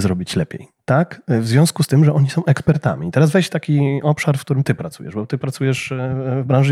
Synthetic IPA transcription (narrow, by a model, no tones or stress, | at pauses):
zɾɔbʲit͡ɕlɛpʲjḛjt̪akvzvʲjɔ̃skust̪ɘmʐɛʔɔɲisɔ̃w̃ʔɛkspɛɾt̪a̰mʲit̪ɛɾazvɛjɕt̪akʲiʔɔpʂaɾfkt̪uɾɘmt̪ɘpɾat̪sṵjɛ̰ʐbɔt̪ɘpɾat̪sujɛʂvbɾãwʐɘ